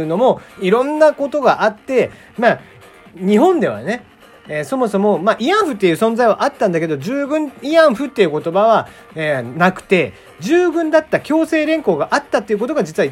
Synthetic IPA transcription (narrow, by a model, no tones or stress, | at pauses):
ɯ̟no̞mo̞iɾõ̞nːako̞t̪o̞ɡaʔat̪ːe̞ | maː | ɲ̟iɦõ̞nd̪e̞βa̰ne̞ | eso̞mo̞so̞mo̞maʔijãɰ̃ɸɯ̟t̪ːe̞jɯ̟ːsõ̞nd͡zaiβaʔat̪ːãnd̪ake̞d̪o̞d͡ʑɨːbɯ̟̃niãɰ̃ɸɯ̟t̪ːeiɯ̟ko̞t̪o̞baβa | enakɯ̟̥t̪e̞ | d͡ʑɨːbɯ̟̃nd̪at̪ːakʲo̞ːse̞ːɾẽ̞ŋko̞ːɡaʔat̪ːat̪ːeiɯ̟kot̪o̞ɡad͡ʑit͡sɨβa